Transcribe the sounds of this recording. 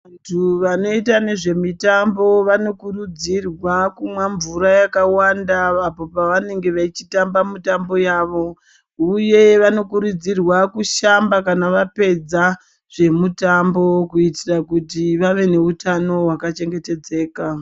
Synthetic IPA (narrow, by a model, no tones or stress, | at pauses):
antʰuʋano̞itane̞ʐe̞mitambo̞ʋano̞kurud͡zirwakumwaɱvuɾajakawandaapo̞paʋane̞ŋɡe̞ʋait͡ʃitambamitambo̞jaːʋo̞ | uje̞ʋano̞kuɾud͡zirwakuʃambakanaʋape̞d͡za | ʐ̥e̞mutambo̞kuitirakutiʋaʋe̞ne̞utano̞ɦwakat͡ʃe̞ŋɡe̞te̞d͡ze̞ːka